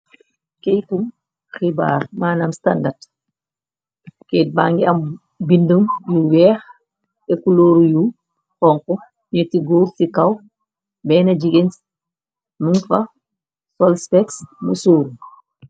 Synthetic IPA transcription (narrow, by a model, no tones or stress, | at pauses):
kejtum | xiba̰ːɾmaːnamstandat | ket̚baŋɡiam | bindəmjuwɛːx | ɛkuloːɾuju | hɔŋkɔ | ɲetiɡoːɾsikaw | bɛːnad͡ʒiɡens | munfa | sɔlspɛksmṵsoːɾu